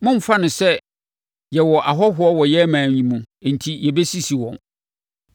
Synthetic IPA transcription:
mʊ̃˦m̩˨fa˦nʊ̃˨sɛ˦ | jɛ˨wɔ˨ʔa˨ɦɔ˦ɦʊ˨˦ɔ˦wɔ˨jɛ˦mãː˨ɲĩ˨mũ˨n̩˨tʰi˦jɛ˨be˦si˦si˨wɔ̰̃˨n

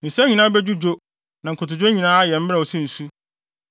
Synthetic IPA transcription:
n̩˨sɛ̃˦ɲĩ˨nãː˦bɛ˦d͡ʑu˦d͡ʑo˦ | nã˨ŋ̩˨kʰʊ˨tʊ˨d͡ʑõ˦ɲĩ˨nãː˦a˦jɛ˨m̩˦m˦ɾɛ˦˨ɔ˨sĩ˦n̩˨su˦

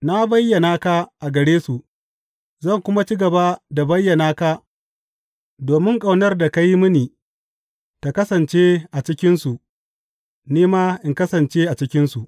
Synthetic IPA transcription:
na˦bɐ˦jːɐ˨naː˦ka˦ʔa˨ɡɐ˨ɽeː˦su˨ʔ | zɐ˦˨ŋkʷʊ˦ma˦t͡ʃi˦ɡɐ˨ba˦da˨bɐ˦jːɐ˨naː˦ka˦ | doː˨mɪ˦ŋkʼa˨wnɐ˦rda˨ka˦ji˦mʊ˦niː˨ | ta˨kɐ˦sɐ˨nt͡ʃe˦ʔa˨t͡ʃɪ˦kʲɪ˦nsu˨ʔ | niː˦maː˦ʔɪ˨ŋkɐ˦sɐ˨nt͡ʃeː˦ʔa˨t͡ʃɪ˦kʲɪ˦nsu˨ʔ

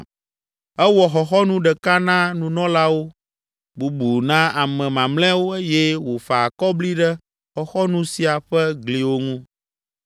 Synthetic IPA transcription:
ɛ˦wɔ˨xɔ˨xɔ˦nũ˦ɖɛ˨ka˦nã˦nũ˨nɔ̃˦la˦wo˦ | bu˨bu˨nã˦a˨mɛ̃˨mã˨mlɛ̃˦wo˦e˦jɛ˦wo˨fa˨kɔ˦bli˦ɖɛ˦ | xɔ˨xɔ˦nũ˦si˨a˨ɸɛ˦ɡli˨wo˦ŋũ˦

